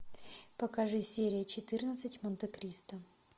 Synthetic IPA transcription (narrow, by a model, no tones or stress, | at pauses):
pɐkaʐɨsʲeɾʲɪjət͡ɕɪt̪ɨrnət̪sɨtʲmənt̪ɨkɾʲist̪ə